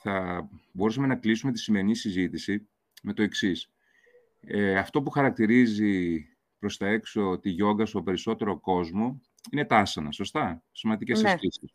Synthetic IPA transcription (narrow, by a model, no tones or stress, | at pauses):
θɐbo̞ɾusɐme̞nɐklisume̞t̪i̥sime̞ɾinisizit̪isi | me̞t̪o̞e̞ksis | eɐft̪o̞puxɐɾɐk̚t̪iɾizi | pɾo̞st̪ɐe̞kso̞t̪iʝo̞ŋɡɐst̪o̞pe̞ɾiso̞t̪e̞ɾo̞ko̞zmo̞ | ine̞t̪ɐsɐnɐ̰so̞st̪ɐsimɐnd̪icesɐsisis